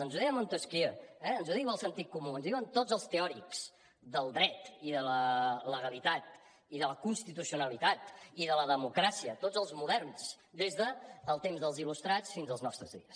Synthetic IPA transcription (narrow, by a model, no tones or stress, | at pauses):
ənzuðiəmont̪oskiɛənzuðiwəlˠsənt̪it̪̚kːumuənzðiwənt̪od͡zzəlˠst̪eɔɾiks | ðəlˠd̪ɾɛt̪iðələləɣəlit̪at̪ | iðələkunst̪it̪usiunəlit̪at̪iðələðəmukɾasiət̪od͡zəlˠzmuðɛrns | d̪ezðəːlˠt̪emzðəlˠzilust̪ɾat͡sfinzəlˠznɔst̪ɾə̰zðḭəs